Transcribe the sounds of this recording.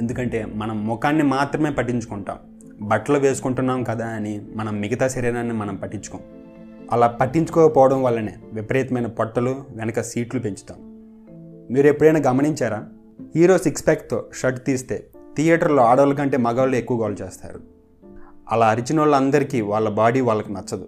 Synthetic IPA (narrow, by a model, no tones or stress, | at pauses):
end̪ukɐɳʈe̞ːmɐnɐmːɔkaːnːimaːt̪ɾɐme̞ːpɐʈːiɲt͡ʃu̥kuɳʈa̰ːm | bɐʈːɐlɐʋe̞ːsu̥kuɳʈunːaːmkɐd̪aːɐnimɐnɐmːiɡɐt̪aːsɐɾɛːnaːnːimɐnɐmpɐʈːiɲt͡ʃu̥koːm | ɐlaːpɐʈːiɲt͡ʃu̥kɔːkɐpɔːʋɐɽɐmʋaːɭːɐneːʋipɾɐjt̪ɐmɐjnɐpɔʈːɐluʋɛnɐkɐsiːʈlupe̞ɲt͡ʃu̥t̪a̰ːmu | miːɾuepːuɽɐjnaːɡɐmɐniɲt͡ʃaːɾaː | hiːɾo̞ːsikspaːkt̪o̞̰ːʃɐʈt̪iːst̪e̞̰ːt̪ijaːʈɐɾlo̞ːaːɽɐʋɐlɐk̬ɐɳʈe̞ːmɐɡaːlːuekːuʋɐɡaːlut͡ʃeːst̪a̰ːɾu | ɐ̰laːɐɾit͡ʃinoːlɐnd̪ɐɾikiːʋaːɭːɐbaːɽiːʋaːɭlːɐkunɐt͡ʃːɐd̪u